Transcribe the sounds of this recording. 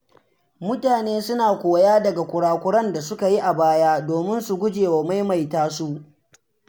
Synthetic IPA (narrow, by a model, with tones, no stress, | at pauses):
mʊ˦taː˨neː˦sʊ˦naː˨kʷoː˨jaː˦dɐ˨ɡa˨kʷʊ˨ɽaː˨kʷʊ˦ɽɐ˦nda˨sʊ˦ka˨ji˦ʔa˨baː˦jaː˦doː˨mɪ˦nsu˨ɡʷʊ˦d͡ʒeː˨wa˨ma˦jma˨jtaː˦su˦ʔ